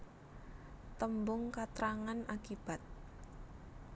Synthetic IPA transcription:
t̪əmbʊŋkat̪ɾaŋanʔakib̥a̤t̪̚

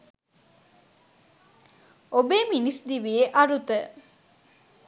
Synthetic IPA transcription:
obeːminisd̪iʋieʔaɾut̪ə

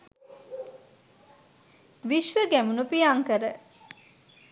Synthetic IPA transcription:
ʋiʃʋəɡæmunupiaŋkəɾə

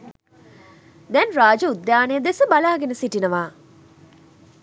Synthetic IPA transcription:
d̪ɛnraːd͡ʒəud̪jaːnəjəd̪esəbalaːɡenəsiʈinəʋaː

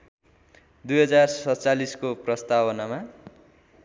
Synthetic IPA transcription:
d̪ujɦʌd͡zarsʌt͡saliskoprʌst̪abʌnama

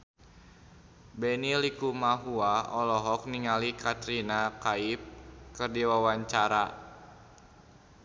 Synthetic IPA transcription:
bɛnilikumaɦuaɔlɔɦɔk̚niŋalikat̪ɾinakaip̚kɨrdiwawaɲt͡ʃaɾa

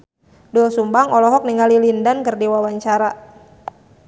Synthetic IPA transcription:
dɔlsumbaŋɔlɔɦɔk̚niŋalilindankɨrdiwawaɲt͡ʃaɾa

